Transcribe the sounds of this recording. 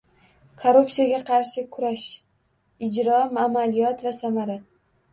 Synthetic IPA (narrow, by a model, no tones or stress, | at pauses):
kʰoɾupsijaɡʲaqʰɑɾʃɪkʰʊɾaʃ | ɪd͡ʒɾɒmamalijɒt̪vasamaɾa